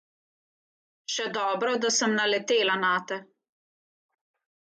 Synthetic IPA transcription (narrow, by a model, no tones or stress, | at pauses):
ʃɛd̪ɔːbɾɔd̪asəmnalɛt̪eːlanaːt̪ɛ